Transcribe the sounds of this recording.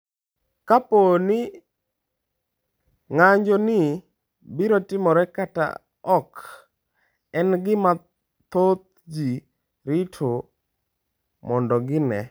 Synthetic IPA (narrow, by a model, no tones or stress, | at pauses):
kaponɪ | ŋaɲd͡ʒɔnɪ | biɾotɪmɔɾɛkata̰ | ɔk | ɛnɡɪma | t̪ot̪̚ | d͡ʒi | ɾɪtʰo | mɔndɔɡɪnɛ